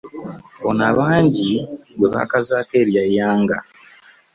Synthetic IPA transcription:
βonaβaːɲɟiβwe̞βa̰ːkazaːke̞ːɾjajaːŋɡa

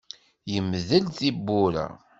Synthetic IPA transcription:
jəmðəlθibːʊɾa̰

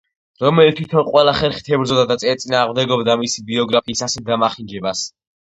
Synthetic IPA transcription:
ɾɔmɛlit̪ʰwit̪ʰɔnqʼwɛlaχɛɾχi̥t̪ʰɛbɾd̪zɔd̪ad̪at̪sʼɛt̪sʼinaːʁmd̪ɛɡɔbd̪amisibiɔɡɾapʰiːsasɛd̪amaχiŋd͡ʒɛbas

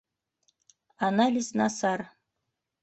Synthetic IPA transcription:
analʲiznɑsɑr

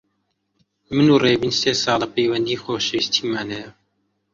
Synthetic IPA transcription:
mɨnuːreːbinseːsɑːlɐpejwɐnd̪iːxoːʃwist̪ʰiːmaːnɛjɛ

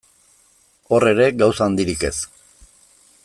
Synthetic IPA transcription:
o̞re̞ɾe̞ɡawsaːnd̪iɾike̞s

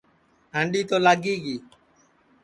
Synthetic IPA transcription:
ɦəɳɖiːt̪oːlaːɡiːɡiː

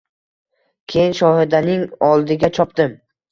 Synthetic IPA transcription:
kʲʰe̞jɪnʃɒhɪd̪anɪŋɒlˠd̪ɪɡʲat͡ʃʰɒpd̪ɪm

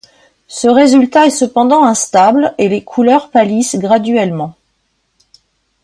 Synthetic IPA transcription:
səʁezylt̪aɛsəpɑ̃d̪ɑ̃ɛ̃st̪ablelekʰulœʁpalisɡʁad̪ɥɛlmɑ̃

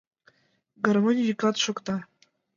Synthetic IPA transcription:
ɡɐrmonʲiikɑt̪ʃŏkt̪ɑ

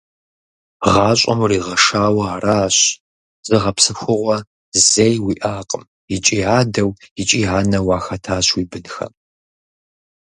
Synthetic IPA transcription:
ʁɑːɕʷʼɐ̰mriːʁɐʂaːwɐaːraːɕ | zɨʁɐpsɨxʷʊʁʷɔ | zejwiʔaːqʼəm | it͡ʃʼiːaːdɐwɪt͡ʃʼiːɦaːnɐwaːxɐtʰaːɕwiːbɨnxɐ̰

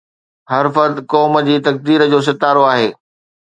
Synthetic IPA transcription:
ɦɐɾfɐɾd̪kɔːmə̆d͡ʑiːt̪ɐk̚d̪iːɾəd͡ʑoːs̬ɪt̪aːɾoaːɦeː

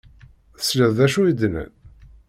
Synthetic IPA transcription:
sləððæʃujəd̪nə̰n

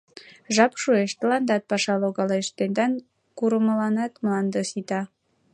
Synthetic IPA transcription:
ʒɑpʃueʃt̪ə̆lɑnd̪ɑt̪̚pɑʃɑloɣɑleʃt̪end̪ɑn | kuɾəmə̆lɑnɑt̪mlɑnd̪əsit̪ɑ

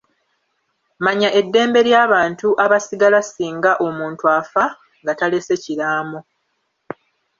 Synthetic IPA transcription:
maɲaʔe̞dːe̞ːmbe̞ɾjaːβaːntuʔaβasiɡalasiːŋɡaʔo̞muːntuafa | ŋɡatale̞se̞ciɾaːmo

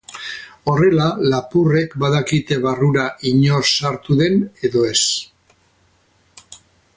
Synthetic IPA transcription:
o̞re̞lalapure̞kbaðakit̪e̞βaruɾaʔiɲo̞sːaɾt̪uðe̞ne̞ðo̞e̞s

